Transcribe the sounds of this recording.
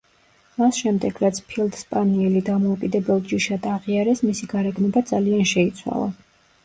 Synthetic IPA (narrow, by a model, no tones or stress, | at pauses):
masʃɛmd̪ɛɡ̥ɾat̪sʰpʰilˠd̪spʼaniɛlid̪amɔukʼid̪ɛbɛlˠd͡ʒiʃad̪aʁiaɾɛsmisiɡaɾɛɡnɔbad̪zalianʃɛit̪sʰwa̰lˠa̰